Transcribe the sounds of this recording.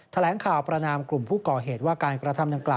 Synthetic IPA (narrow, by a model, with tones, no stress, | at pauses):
t̪ʰa˧lɛː˩˦ŋkʰaː˨˩wpɾa˧naː˧mklu˨˩mpʰuː˥˩kɔː˨˩ɦeː˨˩t̪̚waː˥˩kaː˧nkɾa˧t̪ʰa˧mda˨˩ŋklaː˨˩